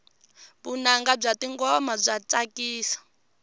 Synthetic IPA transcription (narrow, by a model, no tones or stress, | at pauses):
βunaŋɡab͡ʐʷatiŋɡɔmab͡ʐʷat͡sakiːsḁ